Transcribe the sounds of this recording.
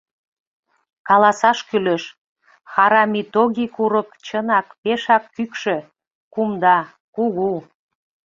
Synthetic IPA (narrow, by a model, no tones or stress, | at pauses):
kɑlɑsɑʃkyleʃ | xɑɾɑmit̪oɣikuɾəkt͡ɕənɑkpeʃɑkːykʃø | kumd̪ɑ | kuɣu